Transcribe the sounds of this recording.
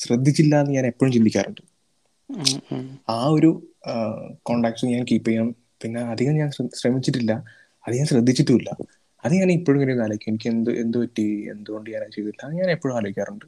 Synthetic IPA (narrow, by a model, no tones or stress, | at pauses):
ɕrɐd̪ʱːit͡ɕːilːɐɐnːɨɲaːne̞pːo̞ːɻumt͡ɕind̪ikʲːa̰ːruɳɖɨ | aːo̞ɾu | koːɳɖaːk̚ʈɨɲaːnkiːpːejːaːɳ | pinːeːɐd̪ʱiɣɐmɲaːnɕrɐmit͡ɕːiʈːilːɐ | ɐðɨɲaːnɕrɐd̪ʱːit͡ɕːiʈːuilːɐ | ɐðɨɲaːnipːo̞ːɻumŋinenaːlɐʋikʲːuenikʲːɨend̪ɨʔe̞nd̪upɐtːiḛnd̪uɣo̞ɳɖɨɲaːnaːt͡ɕe̞jt̪uilːɐɲaːne̞pːoɻumaːlɐʋikʲːaːruɳɖɨ